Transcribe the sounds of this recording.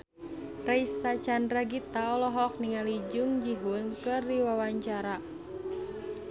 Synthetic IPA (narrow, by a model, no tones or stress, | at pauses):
raisat͡ʃandraɡit̪aɔlɔɦɔk̚niŋalid͡ʒuŋd͡ʒiɦunkɨrːiwawaɲt͡ʃaɾa